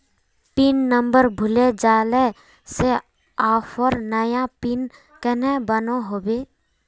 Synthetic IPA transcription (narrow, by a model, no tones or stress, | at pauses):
pinːəmbəɾbʱʊled͡ʒaːle | se | aːpʰɔɾnəjãpin | kənɛbənoɦobe